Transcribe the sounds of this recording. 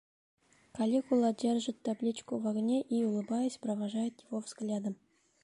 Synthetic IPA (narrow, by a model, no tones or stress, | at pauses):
kɐlʲikulˠadʲerʲʒət̪ːablʲit͡ɕkuvɑɡənʲeʔiulˠɨ̆bɑjəsʲprəvɑʐɑjət̪jɪvovz̥ɡlʲad̪əm